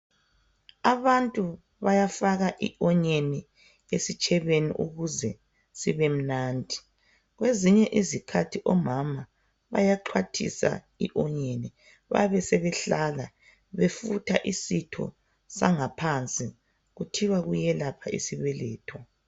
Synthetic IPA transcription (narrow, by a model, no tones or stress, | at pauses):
aβantʼu | βajafaɣaʔiʔɔɲeni | esit͡ʃʼɛβenḭʔuɣuzɛ | siβem̩naːndʱi | ɣweziɲɛʔizikʰatʰiʔɔmama | βa̰jaǃʰwatʰḭsa̰ | iʔɔɲeni | βa̰βɛsɛβɛɬala | βefutʰaʔisitʰɔ̰ | saŋapʰant͡sʼi | ɣutʰiwaɣujɛlapʰaʔḭsiβɛlɛːtʰɔ